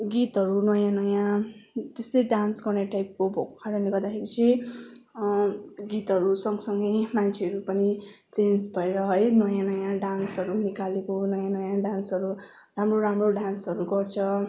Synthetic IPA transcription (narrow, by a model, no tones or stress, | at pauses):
ɡit̪ɦʌɾunʌjãnʌjãt̪est̪ʌjɖansɡʌrneʈajp̚kobʱokkʰaɾʌniɡʌrd̪akʰeɾit͡sʰi | ɡit̪ɦʌɾusʌŋɡsʌŋɡʌjmant͡sʰeʌɾupʌni | t͡send͡zbʱʌeɾʌɦʌjnʌjãnʌjãɖansʌɾunikalekonʌjãnʌjãɖansʌɾu | ramroɾamroɖansʌɾuɡʌrt͡sʰʌ